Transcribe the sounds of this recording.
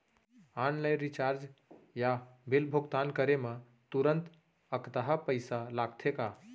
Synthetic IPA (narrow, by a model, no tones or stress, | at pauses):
anləjɾit͡ʃaɾd͡ʒjabilbʱuɡt̪ankəɾeme | t̪uɾənt̪ | əkt̪aɦəpəɪsalaɡt̪ʰeka